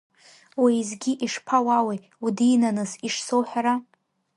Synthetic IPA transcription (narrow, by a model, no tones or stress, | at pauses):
wejzɡʲiʔiʂpʰawawe | udiːnanɨziʂsowħᶣaɾa